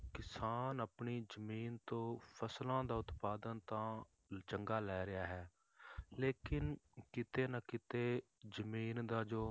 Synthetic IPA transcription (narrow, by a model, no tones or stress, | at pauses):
kɪsaːnəpɳiːzəmiːnt̪õːpʰəslãːd̪aːʊt̪paːd̪ənt̪ãː | t͡ʃəŋɡaːlɛːɾɪaːɦɛː | leːkɪnkɪt̪eːnakɪt̪eː | zəmiːnd̪aːd͡ʒoː